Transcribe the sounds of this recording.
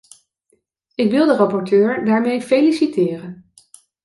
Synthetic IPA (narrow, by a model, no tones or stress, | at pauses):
ɪkʋɪlˠdərɑpɔɹtøːɹdaːɹmejfejlisitɪːrən